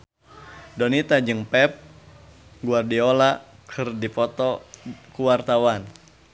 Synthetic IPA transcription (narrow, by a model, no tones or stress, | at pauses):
dɔnit̪ad͡ʒɨŋpɛp̚ | ɡuardiɔla | kʰɨrdipɔt̪ɔkuwart̪awan